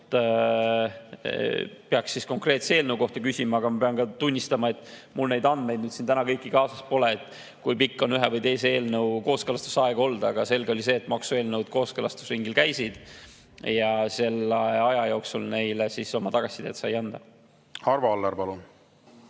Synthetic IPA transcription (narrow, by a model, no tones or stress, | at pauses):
t̪ | peɑksːisko̞ŋkre̞t̪seeːlnəwko̞ht̪ɑkysʲimɑɑːɡ̥ɑmɑpeɑnkɑt̪unʲːist̪ɑmɑe̞t̪mulne̞jd̪ɑnd̪me̞jd̪nyːd̪sint̪ænɑkɤjkːikɑːsɑspo̞leet̪ːˑ | kujpikːo̞nyɦevɤjt̪e̞jsee̞ːlnɤwko̞ːskelɑst̪u̥sɑeɡ̥ɑo̞ld̪ɑ̰ɡ̥ɑse̞lɡeo̞lis̬e̞ːt̪ːmɑksue̞ːlnəwd̪̥̚ko̞ːskelɑst̪u̥sriŋɡilkæjsid̪̥ | jɑse̞lːeɑjɑjo̞ːksulne̞jlesiso̞mɑt̪ɑɡ̥ɑsʲːid̪ḛːt̪sɑjɑnd̪̥ɑ | hɑrvɑolːɑɾpɑlun